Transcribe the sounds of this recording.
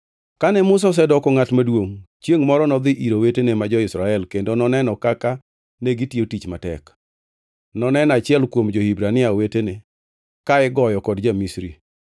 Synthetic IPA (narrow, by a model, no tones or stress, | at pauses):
kanɛmʊs̬ɔs̬ɛdɔkɔŋatmadwoŋt͡ʃjeŋmɔɾɔnɔd̪ɪʔiɾowetenemad͡ʒɔɪsɾaɛlkendonɔnɛnɔkaka | neɡitiotit͡ʃmatɛ̰k | nɔnɛnat͡ʃɪɛlkwomd͡ʒohibɾanɪawetene | kaɛɡɔjɔkɔdd͡ʒamisɾi